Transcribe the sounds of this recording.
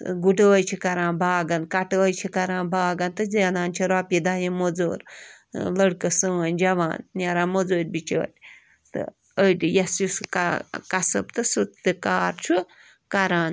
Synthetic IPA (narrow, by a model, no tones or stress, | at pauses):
ɡuɖəːjt͡ʃʰikɐɾãːnbaːɡɐnkɐʈːjt͡ʃʰikɐɾãːnbaːɡɐnt̪ɨzeːnaːnt͡ʃʰiɾaːpid̪aːjimod͡zo̰ːɾ | lɐɽkɨsɨɐnʲd͡ʒɐʋa̰ːnnʲɐɾaːmod͡zoːɾʲbit͡ʃʰə̰ːtʲ | t̪ɨ̰ | əɖijɐsjuskkɐsɐbt̪ɨsut̪t̪ɨkaːɾt͡ʃʰu | kɐɾaːn